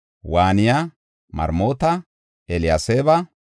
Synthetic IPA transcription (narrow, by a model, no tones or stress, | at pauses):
waːnɪja | mɐ̰ɾmo̞ːt̪ɐ | ɛlɪjaseːbɐ